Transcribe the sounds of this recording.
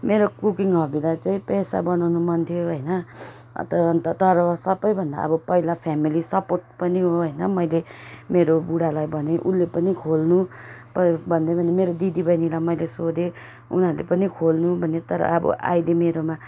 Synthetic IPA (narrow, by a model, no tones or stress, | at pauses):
meɾokukiŋɦʌbilat͡saĩpʌjsa̰bʌnawnumʌnt̪ʰjoɦʌjnʌ | t̪ʌʌnt̪ʌt̪ʌɾʌsʌbʌjbʱʌnd̪a̰ʌ̰bʌpʌɦilapʰjamilisʌporʈ̚pʌniɦoɦʌjnʌmʌjlemeɾobuɽalajbʌneʔunːepʌnikʰolnupʌbʱʌnd̪ejbʱʌnemeɾod̪id̪ibʌjnilajmʌjlesod̪e | ṵnɦʌɾulḛpʌnikʰolnubʱʌnet̪ʌɾʌ̰ʔʌbʌ̰ʔa̰jd̪emeɾoma